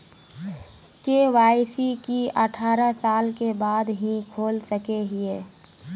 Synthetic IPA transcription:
keːʋaːɪsikiəʈʰaːɾəsaːlkebaːd̪ɦĩkʰoːlsəkeɦɪeː

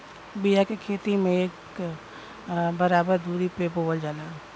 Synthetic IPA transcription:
bijakekʰeːt̪imẽeːk | bəɾaːbəɾd̪uːɾipepoːəld͡ʒaːlaː

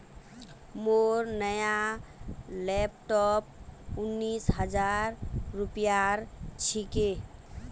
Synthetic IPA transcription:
moɾnəja | lɛpʈɔp̚unːisɦəd͡ʒaɾːupjaɾt͡ʃʰike

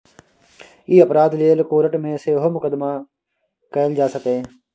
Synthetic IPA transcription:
iːəpɾaːd̪leːlkoːɾəʈmẽseɦomʊkəd̪ma | kɛːld͡ʒaːsəkẽː

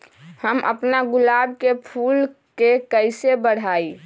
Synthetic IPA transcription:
həmʔə̰pnaɡʊlaːbkepʰuːlkekəɪsebəɽ̤aːi

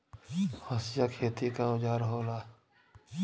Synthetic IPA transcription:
hosjaːkʰeːt̪ikaʊd͡ʒaːɾɦoːlaː

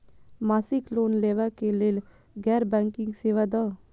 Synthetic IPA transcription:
maːsɪkloːnleːʋakeleːl | ɡɛːɾbɛ̃ːŋkɪ̃ŋɡseːʋad̪aː

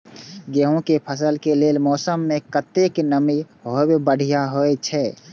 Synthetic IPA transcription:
ɡeɦõkepʰəsəlkeleːlmɔːsəmːẽkət̪eknəmi | ɦoebbəɽ̤ijaɦoet͡ʃʰɛː

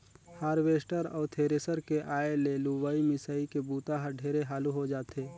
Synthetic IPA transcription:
haːɾʋeːsʈəɾɔ̰ːɾt̪ʰeːɾesəɾkeʔaːeleluːʋaːimɪsaːikebuːt̪aɦəɖʱeːɾeɦaːluɦod͡ʒaːt̪eː

